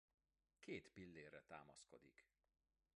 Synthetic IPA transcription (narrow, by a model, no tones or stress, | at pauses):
keːt̪pilːeːrːɛt̪a̰ːmɒsko̞d̪ḭk